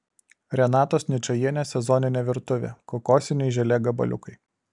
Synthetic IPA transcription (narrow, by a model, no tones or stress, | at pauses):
ɾʲɛnɑːt̪oːsnʲɪt͡ʃʲɐjiɛnʲɛːsʲɛzɔnʲɪnʲeːʋʲɪɾt̪ʊʋʲḛːkokɔːsʲɪnʲɛɪʒʲɛlʲeːɡɐbɐ̰lʲʊ̰kɐɪ